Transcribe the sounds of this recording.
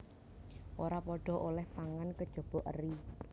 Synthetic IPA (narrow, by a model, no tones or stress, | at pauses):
ʔoɾapɔɖ̥ɔ̤ʔolɛht̪aŋankəd̥ʒ̥ɔ̤b̥ɔ̤ʔə̰ri